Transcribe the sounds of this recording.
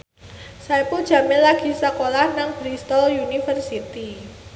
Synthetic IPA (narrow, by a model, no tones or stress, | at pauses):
sajpun̥ʒ̥a̤mɪnlaɡ̥i̤sakolahnaŋb̥ɾist̪ɔljunifərsit̪i